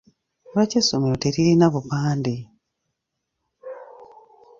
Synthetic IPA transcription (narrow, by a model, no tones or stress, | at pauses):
ɾwacesomeɾoteɾiɾinaβupaːndi